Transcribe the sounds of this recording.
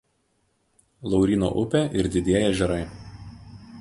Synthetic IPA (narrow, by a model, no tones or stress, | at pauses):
lˠɒʊɾʲiːno̰ːʔʊpʲeʔɪɾd̪ʲɪd̪ʲiɛjɛʒʲɛɾɐɪ